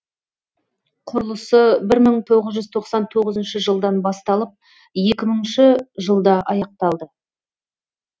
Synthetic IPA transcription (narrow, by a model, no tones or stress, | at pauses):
qʰʊɾəlˠəsəbɪɾməɴt̪ʰo̞ʁəzʒʏzt̪ʰo̞qsɑnt̪ʰo̞ʁəzənʃəʒəlˠd̪ɑnbɑst̪ɑlˠəp̚ | je̞kʲɪməŋʃɪʒəlˠd̪ɑʔɑjɑq̚t̪ɑlˠd̪ə